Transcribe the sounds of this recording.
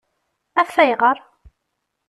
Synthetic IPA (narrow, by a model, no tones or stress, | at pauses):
æfːæjʁəɾˤ